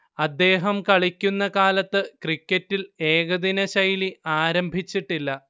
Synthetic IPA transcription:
ɐd̪ːe̞ːɦɐmkɐɭikʲːunːɐkaːlɐt̪ːɨkrikʲːɐtːile̞ːɣɐd̪inɐɕɐjliaːɾɐmbʱit͡ɕːiʈːilːɐ

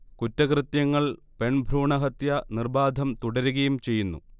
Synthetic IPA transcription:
kutːɐkrɨt̪jɐŋːɐɭ | pe̞ɳbʱruːɳɐɦɐt̪jɐnirbaːd̪ʱɐmt̪uɽɐɾuɣɐjumt͡ɕe̞jːunːṵ

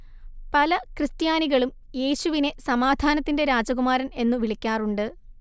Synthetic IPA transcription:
pɐlɐkrɨst̪jaːniɣɐɭum | je̞ːɕuʋine̞sɐmaːd̪ʱaːnɐt̪ːinde̞ɾaːd͡ʑɐɣumaːɾɐne̞nːuʋiɭikʲːaːruɳɖɨ

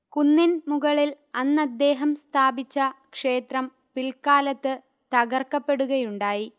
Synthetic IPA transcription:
kunːinmuɣɐɭil | ɐnːɐd̪ːe̞ːɦɐmst̪ʰaːbit͡ɕːɐkʂe̞ːt̪rɐm | pilkaːlɐt̪ːɨ | t̪ɐɣɐrkːɐpːe̞ɽuɣɐjuɳɖaːji

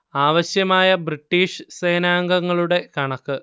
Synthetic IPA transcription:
aːʋɐɕjɐmaːjɐbriʈːiːʂɨseːnaːŋɡɐŋːɐɭuɽe̞kɐɳɐkːɨ

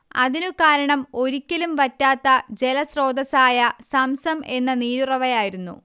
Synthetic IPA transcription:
ɐ̰ðinukaːɾɐɳɐmo̞ɾikʲːɐlumʋɐtːaːt̪ːɐd͡ʑe̞lɐsro̞ːd̪ɐsaːjɐsɐmsɐme̞nːɐniːɾurɐʋɐjaːjiɾunːṵ

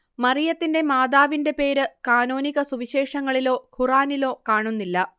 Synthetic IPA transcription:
mɐrijɐt̪ːinde̞maːd̪aːʋinde̞pe̞ːɾɨkaːnoːniɣɐsuʋiɕe̞ːʂɐŋːɐɭilo̞ːhuraːnilo̞ːkaːɳunːilːɐ

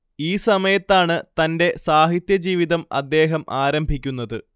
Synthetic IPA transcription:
iːsɐmɐjɐt̪ːaːɳɨt̪ɐnde̞saːɦit̪jɐd͡ʑiːʋiðɐmɐ̰d̪ːe̞ːɦɐmaːɾɐmbʱikʲːunːɐðɨ

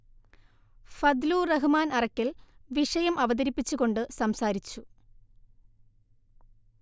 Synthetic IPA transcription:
fɐd̪luːrɐɦɨmaːnɐrɐkːilʋiʂɐjɐmʔɐʋɐd̪ɐɾipːit͡ɕːuɣo̞ɳɖɨsɐmsaːɾit͡ɕːu

